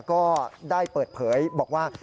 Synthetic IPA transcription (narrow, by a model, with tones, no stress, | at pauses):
kɔː˥˩daː˥˩jpɤː˨˩t̪̚pʰɤː˩˦˥jbɔː˨˩k̚waː˥˩